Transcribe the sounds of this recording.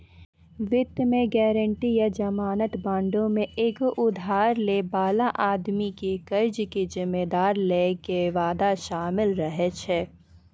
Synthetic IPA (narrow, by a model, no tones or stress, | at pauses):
ʋɪt̪ːmẽɡɛːɾəɳʈijad͡ʒɐmaːnət̪bãːɳɖõmẽʔeːkʔʊd̪ʱaːɾlebaːlaʔaːd̪mikekɐɾd͡ʒkizɪmːeːd̪aːɾlekeʋaːd̪aʃaːmɪlɾɐɦet͡ʃʰɛː